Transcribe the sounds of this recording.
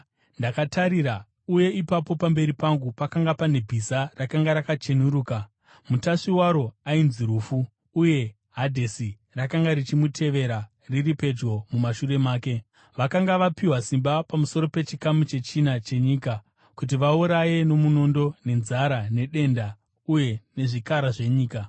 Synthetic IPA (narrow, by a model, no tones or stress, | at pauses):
ndakataɾiɾa | uje̞ipapo̞pambe̞ɾipaŋɡupakaŋɡapane̞bʱisarakaŋɡaɾakat͡ʃe̞nuɾuːka | mutaʂiwaɾo̞ainziɾuːfuː | je̞ | ɦadʱesi | rakaŋɡaɾit͡ʃimutʰe̞ʋe̞ɾa | riripe̞d͡ʒɡo̞mumaʃure̞maːke̞ | ʋakaŋɡaʋapiwasimbapamuso̞ɾo̞pe̞t͡ʃikamut͡ʃe̞t͡ʃinat͡ʃe̞ɲiːka | kut̬iʋauɾaje̞no̞muno̞ndo̞ne̞nzaɾane̞ɗe̞nda | uje̞ne̞ʐikaɾaʐe̞ɲiːka